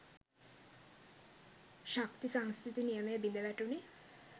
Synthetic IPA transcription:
ʃakt̪isaŋskʰɾit̪inijemeebind̪ebæʈuɳni

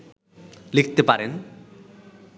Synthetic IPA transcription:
lik̚ʰt̪epaɾen

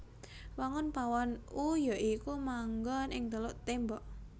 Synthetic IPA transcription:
waŋʊnpawɔnujaikumaŋɡɔnɪŋt̪əlʊʔt̪embɔʔ

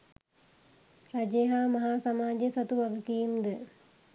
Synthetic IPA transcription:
ɾɐd͡ʒeːɦaːmɐɦaːsɐmaːd͡ʒesɐt̪uʋɐʋukijumd̪ə

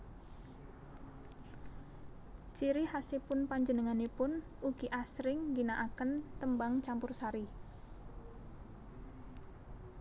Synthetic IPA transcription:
t͡ʃiɾihasepʊnpaɲd͡ʒənəŋanepʊn | uɡ̥iʔasɾɪŋɡinaʔakənt̪əmbaŋt͡ʃampʊrsaɾi

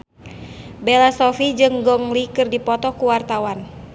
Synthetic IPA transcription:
bɛlasɔfid͡ʒɨŋɡɔŋlikɨrdipɔt̪ɔkuwart̪awan

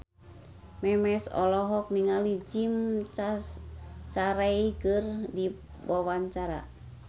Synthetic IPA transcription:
mɛmɛsɔ̰lɔɦɔk̚niŋalid͡ʒimt͡ʃa | t͡ʃaɾaikɨrdi | wawaɲt͡ʃaɾa̰

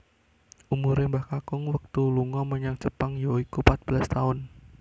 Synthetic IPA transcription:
ʔumuɾɪmbahkakʊŋwək̚t̪uluŋɔməɲaŋt͡ʃəpaŋjoikupat̪̚b̥əlast̪aʊn

